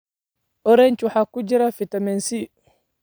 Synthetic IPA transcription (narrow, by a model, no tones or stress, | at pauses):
ɔɾent͡ʃuħakːud͡ʒiɾafitamɛnsi